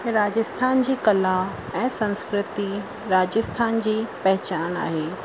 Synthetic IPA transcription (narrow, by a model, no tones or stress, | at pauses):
ɾaːd͡ʑəst̪ʰaːnd͡ʑiːkɐla | ɛ̃ːsɐ̃nskɾɪt̪i | ɾaːd͡ʑəst̪ʰaːnd͡ʑiːpɐɦɪt͡ɕaːna̰ːɦeː